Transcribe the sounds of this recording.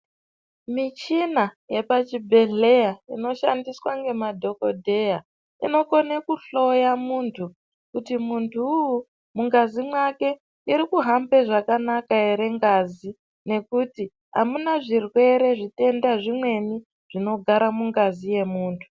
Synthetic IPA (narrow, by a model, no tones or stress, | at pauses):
mit͡ʃinaje̞pat͡ʃibʱe̞ɮe̞jaḭno̞ʃandiswaŋɡe̞madʱo̞ko̞dʱe̞ja | ḭno̞konekuɬo̞jamuːntʰu | kutimuntʰuːju | muŋɡazimwake̞ | iɾikuɦambe̞ʐakanakaeɾe̞ŋɡazi | ne̞kuti | ɦa̰munaʐirwe̞ɾe̞ʐite̞ndaʐimwe̞ni | ʐ̥ino̞ɡʱaɾamuŋɡazije̞muːntʰu̥